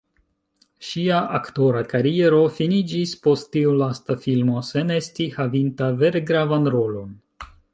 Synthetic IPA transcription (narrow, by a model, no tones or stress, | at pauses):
ʃiaʔakto̞ɾakaɾie̞ɾo̞finid͡ʒispo̞stːiulastafilmo̞se̞ne̞stihavintave̞ɾɡɾavanɾo̞lo̞n